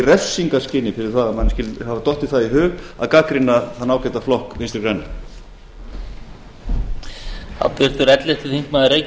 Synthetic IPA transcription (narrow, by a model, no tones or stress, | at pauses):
rɛfsiŋkascɪnːɪfɪɾɪɾ̥θaðamanscɪlhavat̪ɔht̪ɪ̥θaðiɦʏːɣa̰ðkaːkɾɪnːaθaðnaːwkɛt̪aflɔhkvɪnst̪ɾɪɾkɾanːɪ | ha̰p̪vɪɾ̥t̪ʏɾɛt̪lɛst̪ɪθiŋkmaðɪɾej